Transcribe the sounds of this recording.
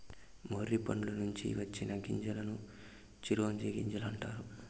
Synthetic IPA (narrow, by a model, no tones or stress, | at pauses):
moɾːipɐnulɐnuɲt͡ʃḭʋɐt͡ʃːinɐɡiɲd͡ʒɐlɐnu | t͡ʃiɾuʋɐɲd͡ʒeːɡiɲd͡ʒɐlɐɳʈaːɾu